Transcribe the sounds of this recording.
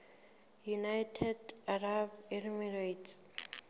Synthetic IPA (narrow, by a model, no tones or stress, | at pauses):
junajtʰɛdarabɛdmirajt